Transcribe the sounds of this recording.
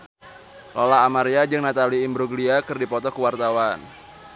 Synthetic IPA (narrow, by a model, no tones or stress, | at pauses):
lolaːmaɾiad͡ʒɨŋnat̪aliːmbɾuɡliakɨrdipɔt̪ɔkuwart̪awan